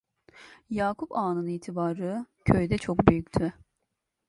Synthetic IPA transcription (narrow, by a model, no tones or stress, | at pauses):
jaːkʰupaːnɯniːt̪ʰibaːɾɯcʰøjd̪ɛt͡ʃʰo̞kbyjycʲt̪ʰy